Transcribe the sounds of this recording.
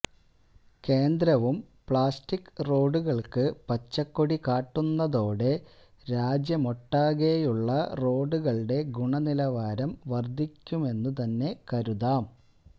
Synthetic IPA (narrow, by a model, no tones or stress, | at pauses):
ke̞ːnd̪ɾɐʋum | pɭaːstikːro̞ːɖuɣɐɭkɨpɐt͡ɕːɐkːoɽikaːʈːunːɐðo̞ːɽe̞ | ɾaːd͡ʑjɐmo̞ʈːaːɣejuɭːɐro̞ːɖuɣɐɭɨɖe̞ɡuɳɐnilɐʋaːɾɐmʋɐrd̪ʱːikʲːume̞nːut̪ɐnːe̞kɐɾuðaːm